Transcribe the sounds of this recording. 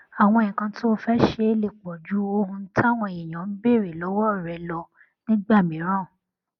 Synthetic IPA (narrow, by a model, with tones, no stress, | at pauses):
a˨w̃ɔ̃˧e˨ɲĩ˨kã˧to˦o˧fɛ˦ʃe˧˦le˨k͡pɔ˨d͡ʒu˨˦o˧˦hũ˧˦ta˦˨w̃ɔ̃˧e˨jĩ˨j̃ã˨˦n̩˦be˦˨ɾe˨lɔ˨˦wɔ˦˨ɾɛ˨˦lɔ˧ | nĩ˦ɡ͡ba˦˨mĩ˨˦ɾ̃ã˦˨